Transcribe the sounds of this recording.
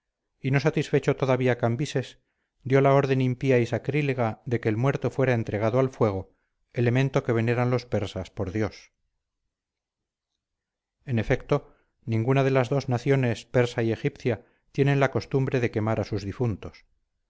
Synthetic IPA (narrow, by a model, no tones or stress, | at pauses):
ino̞sat̪isfe̞t͡ʃo̞t̪o̞ðaβiakambise̞s | d̪jo̞lao̞ɾðe̞nimpiaisakɾileɣaðe̞ke̞ːlmwe̞ɾt̪o̞fwe̞ɾae̞nt̪ɾe̞ɣ̞aðoalfwe̞ɣ̞o̞ | ele̞mẽ̞nt̪o̞ke̞β̞e̞ne̞ɾanlo̞spe̞ɾsaspo̞ɾðjo̞s | e̞ne̞fe̞kt̪o̞ | nĩŋɡunaðe̞lazðo̞znaθjo̞ne̞spe̞ɾsaie̞xipθja | t̪je̞nẽ̞nlako̞st̪umbɾe̞ðe̞ke̞maɾasuzðifunt̪o̞s